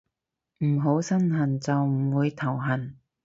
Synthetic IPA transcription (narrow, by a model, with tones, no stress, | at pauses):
m̩˨˩ɦo˨˥wsɐ˥nɦɐ˨˩nt͡sɐ˨wm̩˨˩wuː˨˧jt̪ʰɐ˨˩wɦɐ˨˩n